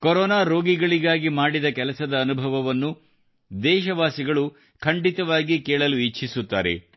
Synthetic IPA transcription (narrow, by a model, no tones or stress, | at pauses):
kɔɾɔːnaːɾo̞ːɡiɡɐɭiɡaːɡimaːɽid̪ɐkɛlɐsɐd̪ɐːnubʱɐʋɐʋɐnːu | d̪ɛːʃɐʋaːsiɡɐɭu | kʰɐɳɖit̪ɐʋaːɡikeːɭɐluit͡ʃːt͡ʃʰisut̪ːa̰ːɾe̞̰